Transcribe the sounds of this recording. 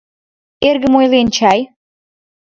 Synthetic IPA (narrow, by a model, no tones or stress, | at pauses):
erɣə̆mojlent͡ɕɑj